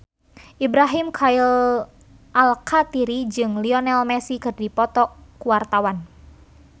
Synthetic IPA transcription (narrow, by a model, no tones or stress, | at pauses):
ʔibɾaɦimkʰail | ʔalkʰat̪iɾid͡ʒɨŋliɔnɛlmɛsikɨrdipɔt̪ɔkːuwart̪awan